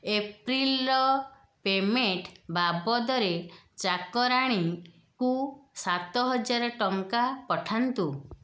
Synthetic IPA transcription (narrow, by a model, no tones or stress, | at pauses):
epɾilɔ | pemeʈbabɔd̪ɔɾet͡ʃakɔɾaɽ̃i | kusat̪ɔɦɔd͡ʒaɾɔʈɔŋkapɔʈʰant̪u